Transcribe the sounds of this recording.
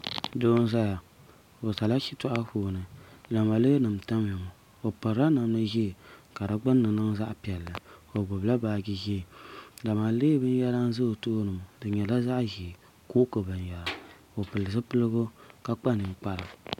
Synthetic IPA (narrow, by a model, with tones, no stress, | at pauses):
doː˦n˦za˦ja˨ | o˨ta˨la˦ʃi˦tɔ˦ʔa˦huː˦nɨ˨la˨ma˨le˦nɨ˨m̩˨ta˦mji˨mu˨ | o˨pɨ˨ɾa˦na˨mlɨ˦ʒi˦˨ka˨da˦ɡ͡ba˦nː˦ɨ˨nɨ˦ŋza˦ʔpi˨ɛ˨lːɨ˨o˨ɡ͡bo˨bla˦baː˨ɡi˦ʒi˦˨da˨ma˨leː˦bɨ˦n˦jɛ˦la˦n˦zɨ˦o˨to˦nɨ˨m˨dɨ˨ɲɛ˨la˦za˦ʔʒi˨ | ko˦kɨ˨bɨ˨njɛ˨la˨ | o˨pɨ˨lɨ˨zɨ˦pɨ˦lɨ˦ɡo˦ka˦k͡pa˦nɨ˨ŋ˨k͡pa˦ɾa˨